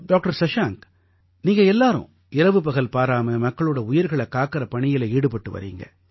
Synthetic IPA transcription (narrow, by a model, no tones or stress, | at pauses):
ɖaːk̚ʈɐɾsɐʂaːŋk | niːŋɡɐɛlːaːɾʊ̰̃ | ɪɾɐʋɯpɐɣɐlpaːɾaːmɐmɐkːɐɭɯɽɐʊjɪɾɣɐɭɐkaːkɪɾɐpɐɳɪjɪlɐiːɽɯpɐʈːɯʋɐ̰ɾḭːŋɡɐ̰